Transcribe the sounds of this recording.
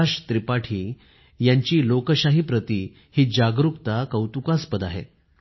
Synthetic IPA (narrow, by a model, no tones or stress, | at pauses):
aɕt̪ɾipaʈʰiː | jaɲt͡ɕiːlokəɕaɦipɾət̪iː | hiːd͡ʑaɡɾukt̪akəwt̪ukaspəd̪aɦḛ